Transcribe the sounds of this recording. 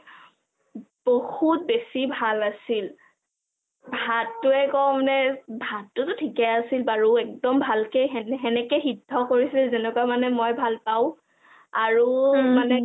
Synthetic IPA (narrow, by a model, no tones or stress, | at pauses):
b̥ohut̚besibʱalasil | bʱatːʊɛkɔmnɛbʱatːʊtʊtʰikɛasilbaɹuɛk̚dɔmbʱalkejɦɛɦɛnɛkɛxidʱːɔkoɹisilzɛnɛkwamanɛmojbʱalpaʊ̃ | aɹumanɛ